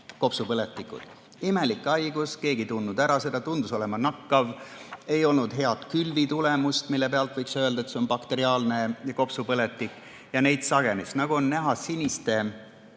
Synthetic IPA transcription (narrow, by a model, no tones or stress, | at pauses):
ko̞psupɤle̞t̪ːˑikːˑṵd̪̥ | ime̞likːˑɑjɡ̥uske̞ːɡit̪unːud̪æɾɑse̞d̪̥ɑt̪und̪uso̞lemɑnɑkːɑve̞jo̞lnud̪̥ɦe̞ɑt̪kylvit̪ulemust̪milːe̞pe̞ɑlt̪ˑvɤjksø̞ld̪ɑet̪se̞onpɑkt̪e̞ɾiɑːlne̞jɑko̞psupɤle̞t̪ːˑikːˑ | jɑne̞jd̪̥sɑɡe̞nisnɑɡ̥uo̞nnæɦɑsinʲist̪e̞